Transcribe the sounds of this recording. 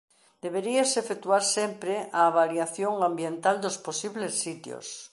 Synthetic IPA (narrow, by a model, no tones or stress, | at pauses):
d̪eβeɾiesefekt̪uaɾsempɾeʔaːβaljaθjoŋambjẽnt̪ald̪osposiβlesːit̪jo̰s